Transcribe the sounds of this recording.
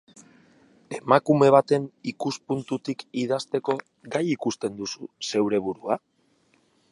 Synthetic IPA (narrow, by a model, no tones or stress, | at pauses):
e̞makume̞β̞at̪e̞nikuspunt̪ut̪ikið̞ast̪e̞ko̞ | ɡajikust̪e̞nd̪ususe̞wɾe̞βuɾua